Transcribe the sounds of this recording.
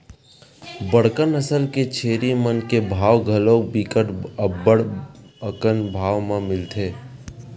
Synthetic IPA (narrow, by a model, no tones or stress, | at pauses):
bəɽ̤kənəsəlket͡ʃʰeːɾimənkebʱaːʋɡʱəlõːk̚biːkəʈəbəɽəkənbʱaːʋmẽmɪlt̪ʰeː